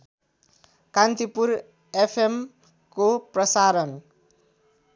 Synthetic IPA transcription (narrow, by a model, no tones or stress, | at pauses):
kant̪ipuɾ | epʰem | koprʌsaɾʌn